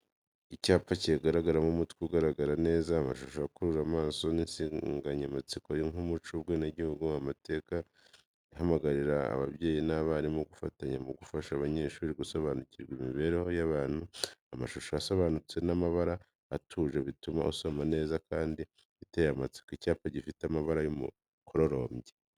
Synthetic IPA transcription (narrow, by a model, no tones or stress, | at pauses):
icaːpaciaɡaɾaɡaɾamumutkiɡaɾaɡaɾane̞ːzaːmaʃoʃojakuɾuɾamaːso̞ninsiŋɡaɲamat͡sikojeŋumut͡ʃuβɡeneɟihuɡuamate̞ːka | iɦamaɡaɾiɾaa̰βa̰βje̞ːjinaβaɾimoɡufataɲamuɡufaʃaβaɲe̞ʃuɾiɡuso̞βanuciɾɡwimiβe̞ɾeho̞jaβaːn̥huamaʃoʃoaso̞βaːnut͡se̞namaβaɾaː | tʰuːʒeβituma̰ʔuso̞mane̞ːzakaːndi | βitejamat͡si̥kecaːpaɟifiteamaβaɾajomṵ | kʰo̞ɾo̞ɾo̞ːmɟe